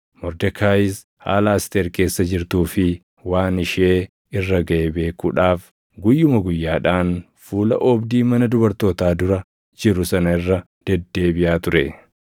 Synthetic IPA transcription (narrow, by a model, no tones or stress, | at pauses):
mɔɾd̪ɛkʰaːjɪs | ha̰ːlɐɐst̪eːɾke̞ːsːɐd͡ʒɪɾt̪uːfɪ | waːnɪʃeː | ɪrːɐɡɐʔebe̞ːkuːᶑaːf | ɡʊjːʊmɐɡʊjːaːᶑaːn | fuːlɐ̰ʔɔbd̪iːmɐnɐd̪ʊbɐɾt̪oːt̪aːd̪ʊɾɐ | d͡ʒɪɾʊsɐnɐɪrːɐ | d̪̥ɛd̪ːe̞ːbɪʔaːt̪ʊɾɛ